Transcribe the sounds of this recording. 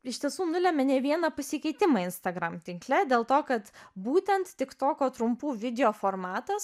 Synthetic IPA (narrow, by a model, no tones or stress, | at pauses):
ɪʃt̪ʲiɛsuːnʊlʲɛmʲɛnʲɛʋʲiɛnɐpɐsʲɪkɐɪt̪ʲɪmɐːɪnst̪ɐɡɾɐmt̪ʲɪŋklʲɛd̪ʲeːlˠt̪oːkɐt̪buːt̪ʲɛnt̪t̪ʲɪkt̪oːkʲoːt̪ɾʊmpuːʋʲɪd̪ʲɛoːfoːɾmɑːt̪ɐs